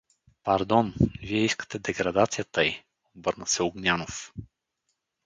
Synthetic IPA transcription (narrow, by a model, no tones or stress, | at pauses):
pɐɾd̪ɔnviɛiskə̥t̪ɛd̪ɛɡɾad̪at̪sijət̪əi | obɤɾnəsɛʊɡnʲanof